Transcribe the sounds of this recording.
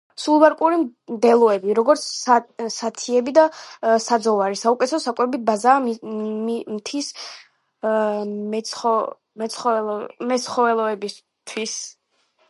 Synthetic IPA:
sulˠbaɾkʼuɾid̪ɛlˠɔɛbiɾɔɡɔɾt̪sʰsat̪ʰiɛbid̪asad̪zɔvaɾisaukʼɛt̪sɔsakʼwɛbibazaːimt̪ʰis | ɔ | mɛt̪sχɔmɛt̪sχɔɛlˠɔɛbis | t̪ʰwis

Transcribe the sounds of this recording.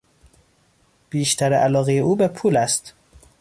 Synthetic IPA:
b̥iːʃt̪ʰæɾeʔælɒːɣejeʔuːbepʰuːlæst̪

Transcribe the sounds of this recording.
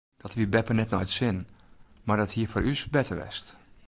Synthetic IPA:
d̥ɔtʋibɛpərnɛtnɔjtsɪnmardɔthiəfɔːrysbɛtərʋɛ̰st

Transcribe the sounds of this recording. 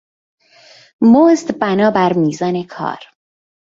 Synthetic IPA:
mozt̪bænɒːbæɾmiːzɒːnekʰɒ̰ːɾ

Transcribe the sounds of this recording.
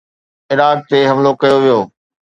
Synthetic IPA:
ɪɾaːk̚t̪eɦɐmlokɐjoʋijoː

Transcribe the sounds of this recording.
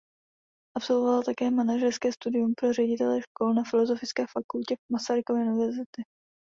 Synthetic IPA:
ʔapso̞lvovalt̪akɛːmanaʒɛɾskɛːst̪udɪjumpɾorɛɟɪt̪ɛlɛʃko̞lnafɪlo̞zo̞fɪt͡skɛːfakulcɛmasaɾɪkovɛːʔunɪvɛɾzɪt̪ɪ

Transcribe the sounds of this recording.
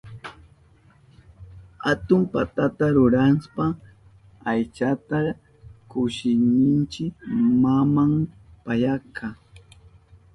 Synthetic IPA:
hat̪ʊmpa̰t̪at̪aɾʊɾanspa | ajt͡ʃat̪a | kʊʃɪnɪnt͡ʃɪkmamam | pajakʰa

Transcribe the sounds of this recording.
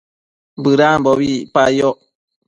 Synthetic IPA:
bɨɾambowipajo

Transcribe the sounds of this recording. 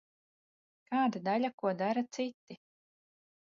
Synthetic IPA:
kaːd̪ad̪aʎʲakuɔd̪aɾat̪sit̪ːi

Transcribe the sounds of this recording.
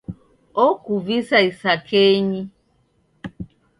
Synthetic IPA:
ɔkuvisaisakʰɛɲi

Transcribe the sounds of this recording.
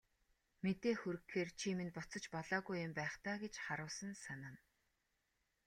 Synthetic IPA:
met̪eːxɵɾɘ̆xːeːrt͡ɕʰimĕnpʊt͡sə̆t͡ɕpɔɮaːɣujʊ̆mpæːχt̪aːɡet͡ɕχaɾʊːsə̆nsanaːn

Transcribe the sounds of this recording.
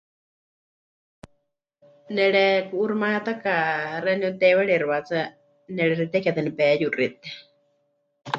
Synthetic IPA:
nɛɺɛkuʔːɾmaat̪akarɛniut̪ɛwɛɺɛɾβat͡sa | nɛɺɛɾit̪ɛkɛt̪anipɛjurit̪ɛ̥

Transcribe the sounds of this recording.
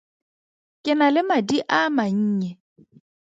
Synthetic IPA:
kʼɪnalɪmadiʔamaɲ̩ːɲɛ

